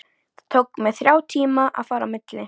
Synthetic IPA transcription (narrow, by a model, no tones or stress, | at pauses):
t̪ʰowkmɛðθɾjaːwt̪ʰiːmaʔa̰ðfaːɾa̰mɪt̪lɪ